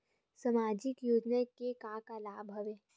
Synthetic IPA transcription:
sɐmaːd͡ʒɪkjoːd͡ʒnakekakalaːbʱɦɐʋeː

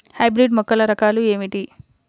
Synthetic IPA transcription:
hɐjbɾiɖmɔkːɐlɐɾɐkaːlue̞ːmiʈi

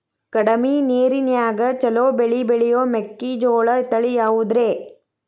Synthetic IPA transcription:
kɐɽɐmineːɾinjaːɡɐt͡ʃɐloːbeɭibeɭijoːmekːid͡ʒoːɭɐt̪ɐɭijaːwud̪ɾeː

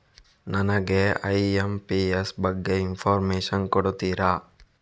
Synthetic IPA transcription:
nɐnɐɡeɐjempiesbɐɡːeimpʰaːɾmeːʃɐnkoɽut̪iːɾaː

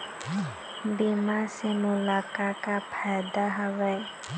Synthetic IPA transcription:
bimasɛmulakakapʰajd̪aɦawɛj

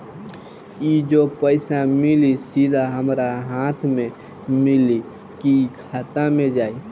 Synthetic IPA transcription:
id͡ʒopəɪsamilisid̪ʱaɦəmɾaɦãt̪ʰmẽ | mɪli | kikʰaːt̪amẽd͡ʒaːi

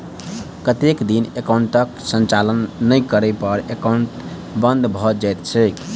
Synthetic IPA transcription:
kət̪ekd̪inekaʊɳʈəksənt͡ʃalənːəjkəɾɛpəɾekãɳʈ | bə̃nd̪ʱbʱɔd͡ʒajt̪t͡ʃʰɛk

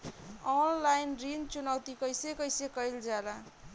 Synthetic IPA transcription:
ɔnlajnrint͡sunawt̪ikʌjsekʌjsekʌjld͡zala

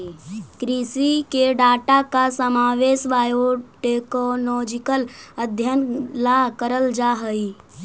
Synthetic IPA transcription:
kɾisikeɖaːʈakasəmaːʋeːʃʋaːjoʈekolɔːd͡ʒɪkələd̪ʱjənlakəɾəld͡ʒaɦəi

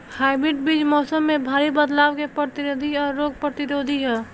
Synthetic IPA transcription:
haːɪbɾɪʈ̚bid͡ʒmɔːsəmːẽbʱaːɾibəd̪laːwkepɾəɾt̪ɪɾod̪ʱiɔːɾːoːɡ̚pɾət̪ɪɾoːd̪ʱiɦɛː

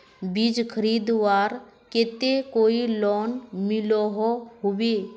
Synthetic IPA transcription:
bid͡ʒkʰəɾid̪ʋaːɾ | ket̪ekoilɔːnmɪlɔɦɔɦuwe

